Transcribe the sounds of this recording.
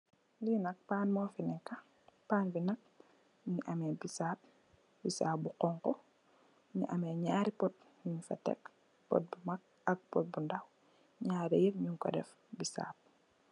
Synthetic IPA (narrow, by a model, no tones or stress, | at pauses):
linɐk̚paːnmɔfinɛkːa | paːnfinɐk̚ | ɲiʔamɛbisaːp̚ | bisaːbuqɔŋkɔ | ɲḭʔamɛɲaːɾipɔt̚ | ɲuɲfa̰tɛ̰k | pɔ̰t̚bumak̚ | ɐk̚pɔt̚bundaw | ɲaːdɛjɛfɲuŋkɔ̰dɛf | bisa̰ːp̚